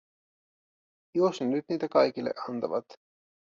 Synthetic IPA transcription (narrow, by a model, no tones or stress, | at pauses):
josnenyd̪̥niːt̪ækɑjkilḛʔɑnt̪ɑvɑ̰t̪